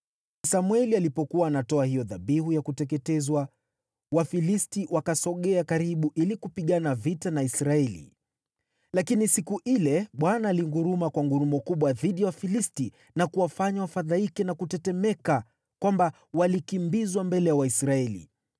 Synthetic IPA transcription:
samwɛlialipɔkuwaːnatɔahijɔðaɓiɦujakutɛk̬ɛtɛzwa | wafilistiwakasɔɠɛakaɾiɓuʔilikupiɠanavitanaisɾaɛlḭ | lakinisikuʔilɛɓwanaːliŋɡuɾumakwaŋɡuɾumɔkuɓwaðiɗijawafilisti | nakuwafaɲawafaðaikɛnakutɛtɛmɛka | kwamba | walikimbizwambɛlɛjawaisɾaɛlḭ

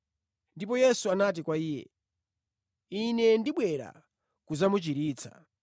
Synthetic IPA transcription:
ndipɔjɛsuanat̬ikwaiːjɛ̰ | inɛndiɓwɛɾa̰ | kuzamut͡ʃiɾiːt͡sʰḁ̰

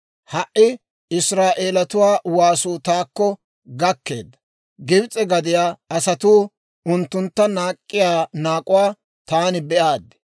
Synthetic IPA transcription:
hɐʔɪ | ɪsɾaːʔe̞ːlɐt̪ʊwaːwaːsuːt̪aːkːɔ | ɡɐkːe̞ːd̪ːɐ̥ | ɡɪbt͡sʼɛɡɐd̪ɪjaːɐsɐt̪uː | ʊnt̪ːʊnt̪ːɐnaːkʼːɪjaːnaːkʼʊwaː | t̪aːnɪbɛʔaːd̪ɛ̥

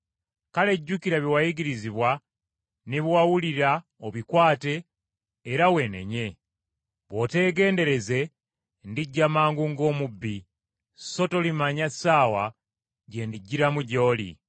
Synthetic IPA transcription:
kale̞ɟːukiɾaβiwajiɡiɾiziβwa | niβwawuliɾa | oβikwaːte̞ː | ɾawe̞ne̞̰ɲe̞ | βwo̞te̞ːɡe̞ːnde̞ɾe̞ze̞ | ndiɟːamaːŋɡuŋɡo̞ːmubːi | so̞to̞limaɲasaːwa | ɟe̞ndiɟːiɾamuɟo̞ːlḭ

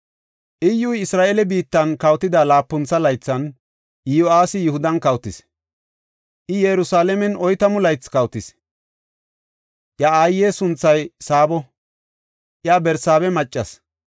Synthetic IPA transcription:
ʔɪjːujɪsɾaːʔeːlɛbiːt̪ːɐnkɐwt̪ːɪd̪aːlaːpːʊnt͡sːɐlɐjt͡sːɐn | joaːsɪjʊhʊd̪ɐnkɐwt̪ːɪs | ʔɪjɛɾʊsaːlɛmɛnɔjt̪ɐmʊlɐjt͡sːkɐwt̪ːɪs | ʔjaaːjːeːsʊnt͡sːɐjsaːbɔ | ʔjaːbɛɾsaːβɛmɐt͡ʃʼːɐs

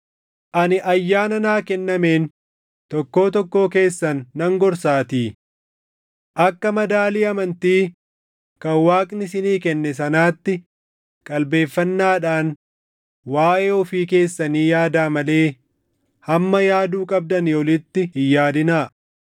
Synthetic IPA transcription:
ʔɐnɪʔɐjːaːnɐnaːkɛnːɐme̞ːn | t̪ɔkːo̞ːt̪ɔkːo̞ːke̞ːsːɐnːɐŋɡɔɾsaːt̪iː | ʔɐkːɐmɐd̪aːliːɐmɐnt̪iː | kɐwaːkʼnɪsɪniːkɛnːɛs̬ɐnaːt̪ːɪ | kʼɐlbe̞ːfːɐnːaːᶑaːn | waːʔeːɔfiːke̞ːsːɐniːjaːd̪aːmɐle̞ː | hɐmːɐjaːd̪uːkʼɐb̚d̪ɐnjoːlɪt̪ːɪhɪjːaːd̪ɪnaː

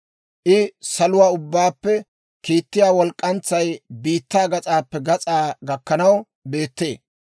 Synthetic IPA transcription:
ʔɪsɐlʊwaːʊbːaːpːɛ | kiːt̪ːɪjaːwɔlkʼːɐnt͡sːɐjbiːt̪ːaːɡɐt͡sʼaːpːɛɡɐt͡sʼaːɡɐkːɐnɐw | be̞ːt̪ːḛː

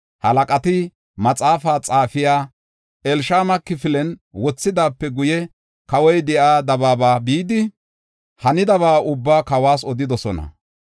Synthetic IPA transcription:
hɐlɐkʼɐt̪ɪ | mɐt͡sʼaːfaːt͡sʼaːfɪjaː | ʔɛlʃaːmɐkːɪfɪlɛnwɔt͡sːɪd̪aːpːɛɡʊjɛ | kɐwɔjd̪ɛʔaːd̪ɐbaːbaːbiːd̪ɪ | hɐnɪd̪ɐβaːʊbːaːkɐwaːs̬ɔd̪ɪd̪ɔsɔnɐ̰

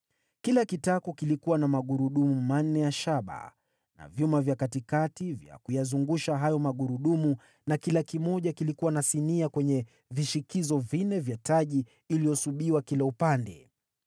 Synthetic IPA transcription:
kilakitakɔkilikuwanamaɠuɾuɗumuuman̩ːɛjaʃaɓa̰ | na̰vjumavjakatikativja̰kujazuŋɡuʃaɦajɔmaɠuɾuɗumu | nakilakimɔʄakilikuwanasiniakwɛɲɛ | viʃikizɔvinɛvjataʄiː | lijɔsuɓiwakilaupandɛ̰

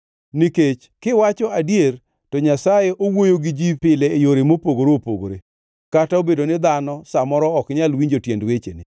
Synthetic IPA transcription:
niket͡ʃ | kɪwat͡ʃɔadjer | tɔɲasajeʔowojoɡɪd͡ʒipɪleːjoɾemopoɡoɾopoɡoɾe | kataobedonɪd̪anɔsamɔɾɔɔkɲalwiɲd͡ʒotjendwet͡ʃḛnɪ

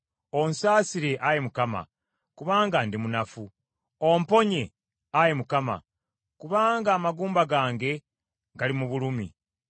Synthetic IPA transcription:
o̞nsaːsiɾe̞ʔajemukama̰ | kuβaːŋɡandimunafu | ompo̞ɲe̞ | ajemukama̰ | kuβaːŋɡaːmaɡuːmbaɡaːŋɡe̞ | ɡalimuβulumḭ

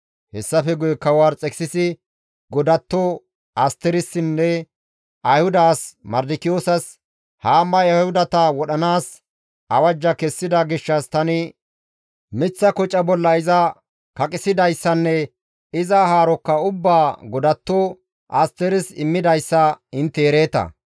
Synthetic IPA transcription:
hɛsːɐfɛɡʊjɛkɐwaːɾt͡sʼɛksɪsɪ | ɡɔd̪ɐt̪ːɔ | ɐst̪ɛɾɪsːɪnːɛ | ʔɐjhʊd̪aːsmɐɾd̪ɪkɪjoːsɐs | haːmːɐjɐhʊd̪ɐt̪ɐwɔɗɐnaːs | ʔɐwɐd͡ʒːɐkɛsːɪd̪ɐɡɪʃːɐst̪ɐnɪ | mɪt͡sːɐkɔt͡ʃʼːɐbɔlːɐɪzɐ | kɐkʼɪsɪd̪ɐjsːɐnːɛ | ɪzɐɦaːɾɔkːɐʊbːaːɡɔd̪ɐt̪ːɔ | ʔɐst̪ɛɾɪsɪmːɪd̪ɐjsːɐɪnt̪ːɛːɾe̞ːt̪ɐ̰

